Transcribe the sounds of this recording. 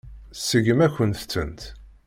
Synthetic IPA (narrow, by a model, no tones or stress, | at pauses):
səɡəmækʷːənt̪t͡sːə̰nt̪